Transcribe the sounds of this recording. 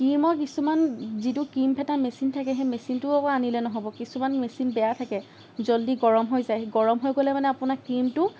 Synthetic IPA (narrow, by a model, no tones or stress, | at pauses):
kimɔkisumanzitʊkimpʰɛtamesintʰakɛɦɛmesintʊɔanilɛnɔɦobɔkisumanmesinbɛjatʰakɛ | zoldiɡɔɹɔmɦojzajɡɔɹɔmɦojɡolɛmanɛapʊnakimtʊ